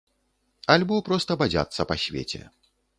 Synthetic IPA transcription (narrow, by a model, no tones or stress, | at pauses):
alʲbɔpɾɔst̪ɐbad͡zʲa̰t̪sːɐpasʲvʲḛt͡sʲɛ̰